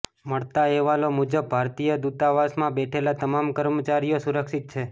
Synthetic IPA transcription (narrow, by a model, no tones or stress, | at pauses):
məɭt̪aɛʋalomud͡ʒəb̚ːʱaɾt̪ijəd̪ut̪aʋasmãbɛʈʰelat̪əmamkəɾmət͡ʃaɾijosuɾəkʃit̪̚t͡ʃʰe